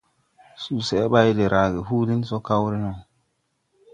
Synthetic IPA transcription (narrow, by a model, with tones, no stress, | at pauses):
su˨sɛ˨˦ba˦jde˨ɾa˨ɡe˨ɦuː˦li˦n˦so˦ka˦wɾi˦no˨